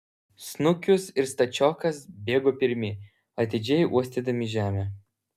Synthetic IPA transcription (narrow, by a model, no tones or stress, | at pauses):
snʊkʲʊsɪɾst̪ɐt͡ʃʲɔːkɐsbʲeːɡoːpʲɪɾʲmʲɪ | ɐt̪ʲɪd͡ʒʲɛjʔuɔsʲt̪ʲed̪ɐmʲɪʒʲæːmʲɛ